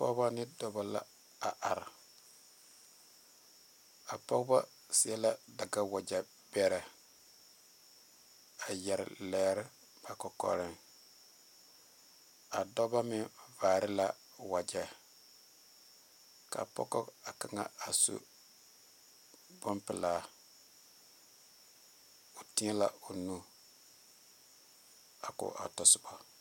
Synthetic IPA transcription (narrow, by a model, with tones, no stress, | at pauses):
pɔ̰˦ba˦nɪ˦dɔ˨ba˨la̰˦ | a˨ʔa˨ɾ | a˨pɔ˦kba˦ | sɪ˨ɛ˦la˦da˨ɡa˦wa˨d͡ʒa˨ | bɛ˦ɾɛ˨ | a˨jɛ˨ɾ̰lɛː˦ɾɪ˦ | b̥a˨kɔ˨kɔ̰˨ɾɪ˦ŋ | a˨dɔ˦ba˦mɪ˦vaː˨ɾɪ˦la˦ | wa˨d͡ʒɛ˦ | ka̰˨pɔ̰˦kɔ˦a˨ka˨ŋa̰˦a˨sṵ˦ | bʊ˦mpɪ˨laː˦˨ | o˨ti˦ŋɛ˦la˦o˨nu˦ | a˨kʊ̰˨ʔa̰˨tɔ˨sʊ˨ba˨